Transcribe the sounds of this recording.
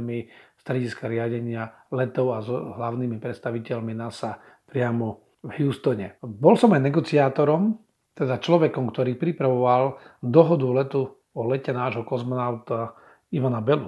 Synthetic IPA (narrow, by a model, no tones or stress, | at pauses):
mist̪ɾɛɟiskaɾɪaɟɛɲɪalɛt̪ɔʊazɔɦlaʊnimipɾɛt̪st̪aʋicɛʎminasa | pɾɪamɔ | vɦjuːst̪ɔɲɛbɔlsɔmajnɛɡɔt͡siaːt̪ɔɾɔm | t̪ɛd̪at͡ʃlɔʋɛkɔmkt̪ɔɾiːpɾipɾaʋɔʋald̪ɔɦɔd̪ulɛt̪u | ɔlɛcɛnaːʒɦɔkɔzmɔnaʊt̪a | iʋanabɛlu